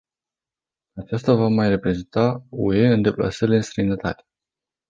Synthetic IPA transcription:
at͡ʃast̪avamajre̞pɾe̞zent̪aṵe̞ɨnd̪e̞pla̰səɾile̞ɨnst̪ɾəjinət̪a̰t̪e̥

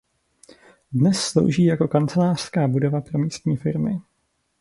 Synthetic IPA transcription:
dnɛsːlo̞̰wʒiːjako̞kant͡sɛlaːr̥skaːbudo̞vapɾo̞miːst̪ɲiːfɪɾmɪ

